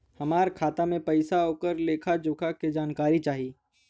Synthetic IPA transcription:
hɐmaːɾkʰaːt̪amẽpɐɪsaɦoːkəɾleːkʰad͡ʒʊːkʰaked͡ʒaːnkaːɾit͡ʃaːɦiː

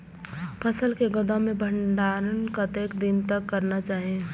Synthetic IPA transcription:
pʰəsəlkeɡəd̪ãmẽbʱə̃ɳɖaːɾənkat̪eːkd̪ɪnt̪əkːəɾnat͡ʃaːɦiẽ

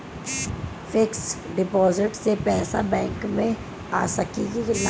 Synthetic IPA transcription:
fɪksɖɪpɔːzɪʈsepɛːsa̰bɛ̃ːŋkmẽ | a̰ːsɐkiɡila

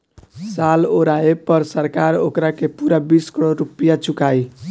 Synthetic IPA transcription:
saloɾaepʌɾsəɾkaɾokɾakepuɾabiskəɾoɾupijat͡sʰukaj

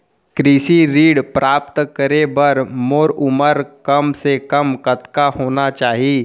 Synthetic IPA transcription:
kɾiːsiɾiːɽpɾʔaːp̚t̪kəɾebɐɾmoːɾʊməɾkɐmsekɐmkɐt̪kaɦoːnat͡ʃaːɦiː

